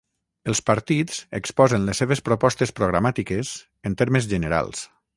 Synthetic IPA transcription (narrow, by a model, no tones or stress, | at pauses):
əlˠspaɾt̪iz̥ḛkspɔzənlesːeβespɾopɔst̪espɾoɣɾamat̪ikez | ənt̪eɾməzʒənəɾa̰lˠs